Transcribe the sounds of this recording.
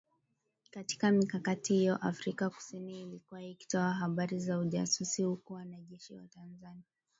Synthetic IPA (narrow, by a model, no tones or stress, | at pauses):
kati̥kamikakatihijɔʔafɾikaku̥siniːlikuwaiki̥tɔaɦaɓaɾizauʄa̰susihukuwanaʄɛʃiwa̰tanzaniaa